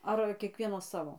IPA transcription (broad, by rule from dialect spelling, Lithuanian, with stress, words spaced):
ˈɐr kʲiɛˈkʋʲiɛnɐs ˈsɑːʋoː